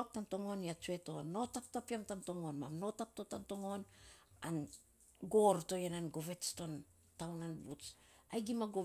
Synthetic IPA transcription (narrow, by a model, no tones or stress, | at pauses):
p̚tamto̞ŋo̞niat͡ʃue̞to̞nːo̞tap̚tapiamtamto̞ŋo̞nmamno̞tap̚totamto̞ŋo̞nan | ɡo̞ɾto̞jenanɡo̞ve̞tsto̞n | tawnanbutsajɡimaɡo